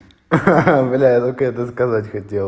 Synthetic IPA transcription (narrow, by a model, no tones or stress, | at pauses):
vlʲajat̪okɛt̪əskɐzatʲxɐtʲelˠ